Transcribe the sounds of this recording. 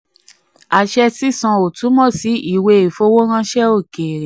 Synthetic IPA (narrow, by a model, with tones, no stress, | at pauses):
a˨ʃɛ˧si˦sã˧o˨tu˨˦mɔ̃˦˨si˨˦i˦˨we˧e˨fo˧˦wo˦ɾ̃ã˧ʃɛ˦o˦˨ke˨ɾẽ˨